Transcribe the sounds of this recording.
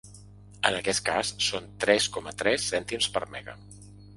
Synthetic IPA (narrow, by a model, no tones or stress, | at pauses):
ənəkɛt̪ka̰sːont̪ɾɛskɔmət̪ɾɛsːɛnt̪imspəɾmɛɣə̰